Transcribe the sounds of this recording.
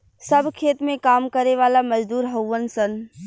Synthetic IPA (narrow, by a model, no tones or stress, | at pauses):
sɐbʱkʰeːt̪mẽkaːmkɐɾeʋaːlamɐd͡ʒd̪uːɾɦəwʋənsən